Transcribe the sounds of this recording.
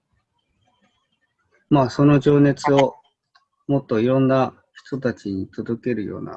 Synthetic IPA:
maːso̞no̞ʑo̞ːne̞t͡sɨo̞ | mo̞t̪ːo̞iɾõ̞nːa | çi̥t̪o̞t̪at͡ɕiɲ̟it̪o̞d̪o̞ke̞ɾɯ̟jo̞̰ːna̰

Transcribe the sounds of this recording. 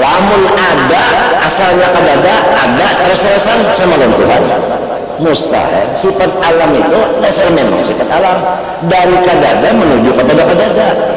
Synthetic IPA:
lamʊnadaasalɲakadadaːdat̪əɾəst̪əɾasansamalɔnt̪uɦan | must̪a̰ha̰sifat̪̚alamit̪uadasalmema̰ŋsifat̪alam | daɾikadadamənud͡ʒukəpadakadada

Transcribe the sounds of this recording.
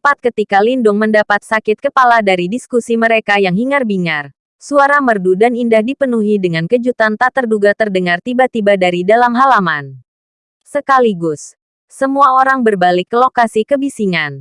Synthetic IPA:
pat̪̚kət̪ikalindʊŋməndapat̪̚sakɪt̪̚kəpaladaɾidiskusiməɾekajaŋɦiŋarbiŋar | suaɾamərdudanindahdipənuɦidəŋankəd͡ʒut̪ant̪at̪ərduɡat̪ərdəŋart̪ibat̪ibadaɾidalamɦalaman | səkaliɡʊs | səmuaoɾaŋbərbalɪkːəlokasikəbisiŋan

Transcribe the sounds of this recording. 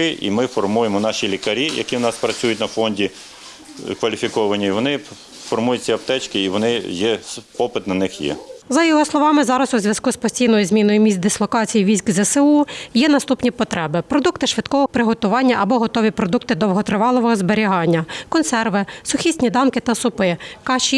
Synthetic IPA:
ɪʔḭmɪfɔrmujemɔnɑʃilʲikɐɾʲijɐ̰kʲiwnɑspɾɐt͡sʲujʊt̚ʲnɐfɔnʲdʲi | kʋɐlʲifʲikɔʋɐnʲːɐiʋɔnɪ | fɔrmujɐtʲt͡sʲɐɐpt̪ɛt͡ʃkɪiʋɔnɪjɛpɔpɪt̪nɐnɪxjɛ̰zɐjɔɦɔslˠɔʋɑmɪzɑɾɐsuzʲʋjɐskuspɔsʲtʲijnɔjʊzmʲinɔjʊmʲisʲt̚ʲd̪ɪslˠɔkɑt͡sʲijiʋʲizʲkzɐsɪujɛnɐst̪upnʲipɔt̪ɾʔɛbɪpɾɔd̪ukt̪ɪʃʋɪd̪kɔʋɔpɾɪɦɔt̪ʊʋɑnʲːɐʔɐbɔɦɔt̪ɔʋʲipɾɔd̪uk̚t̪ɪd̪ɔwɦɔt̪ɾɪʋɑlˠɔʋɔɦɔzbeɾʲiɦɑnʲːɐkɔnsɛrʋɪsʊxʲisʲtʲnʲid̪ɑmkɪt̪ɐsʊpɪkɑt͡ʃi

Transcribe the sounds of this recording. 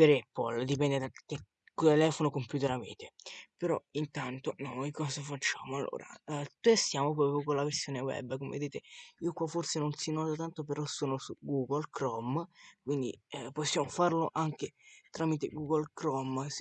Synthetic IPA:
peɾɛpːold̪ipɛnd̪ed̪ake | t̪elɛːfonokompjut̪eɾavḛt̪epeɾɔ̰int̪ant̪onojkɔːzafat͡ʃːaːmoalːʔo̰ːɾa̰t̪est̪jaːmopɾɔːpɾjokolaversjoːnewɛ̰bːkomḛved̪eːt̪eiːokwaforsenonsinɔːt̪at̪ant̪opeɾɔsːoːnosuɡuɡolkɾɔmkwind̪ḭposːjaːmofarloʔaŋk̟et̪ɾamit̪eɡuɡolkɾɔms

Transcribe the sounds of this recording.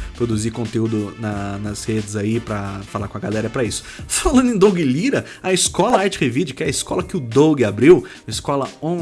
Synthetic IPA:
pɾod̪uzikõnt̪eud̪ʊnɐnɐshed͡ʒɪzaipɾɐfalakõɐɡalɛɾɐpɾɐisʊ̥falɐ̃nd̪ẽd̪owɡɪliɾɐ | ɐiskɔlɐaɾt͡ʃɪhevid͡ʒɪkɛɐɪskɔlɐkɪʊd̪oɡɪabɾiw | ɪskɔlɐõ

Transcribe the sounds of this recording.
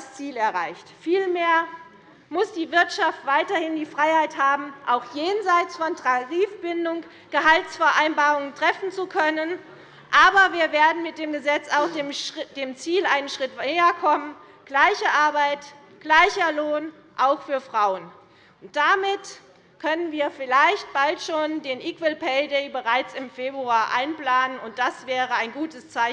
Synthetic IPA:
st͡siːlɛɐʁa̰ɪçtfiːlmeːɐ | mʊsd̥iːvɪɐtʃaftv̥aɪtɐhɪndiːfʁ̥aɪhaɪthaːbm̩ʔaʊxjeːnzaɪt͡sfɔntʰʁaʁiːfb̥ɪndʊŋ | ɡ̥əɦaltsfɛɐʔaɪnbaːʁʊŋəntʁ̥ɛfn̩t͡sukʰœnən | ʔaːbɐviːɐveːɐdn̩mɪt̚d̥eːmɡəzɛt͡saʊxd̥md̥eːmt͡siːlʔaɪnənʃʁ̥ɪteːɐkʰɔmən | ɡ̥laɪçəʔaɐbaɪt | ɡ̥laɪçɐloːn | ʔaʊxfyːɐfʁ̥aʊən | ʔʊnt̚d̥amɪt | kʰœnənviːɐfɪlaɪçt̚b̥altʃoːndeːnʔiːkvəlpʰɛɪdɛɪbəʁaɪt͡sɪmfeːbʁuaːɐʔaɪnplaːnənʊnt̚d̥asv̥ɛːʁəaɪnɡuːtəst͡saɪ

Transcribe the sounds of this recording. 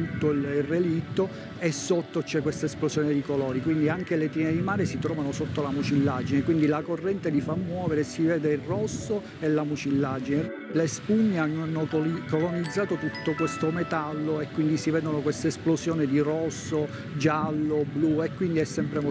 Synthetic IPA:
ut̪ːoirːelit̪ːo | esːot̪ːot͡ʃɛkːwest̪aesplosjɔːned̪ikolɔːɾikwind̪iaŋk̟elet̪ined̪imaːɾesit̪ɾɔːvanosot̪ːolamut͡ʃilːad͡ʒinekwind̪ilakorːɛnt̪ed̪ifamːwɔːveɾesivɛːd̪eirɔsːo | elːamut͡ʃilːad͡ʒine | lespuɲːeanːnːokolonid̪zːaːt̪ot̪ut̪ːokwest̪omet̪alːoekːwind̪isivɛːd̪onokwest̪aesplozjɔːned̪irɔsːo | d͡ʒalːobluekːwind̪iɛsːɛmpɾem

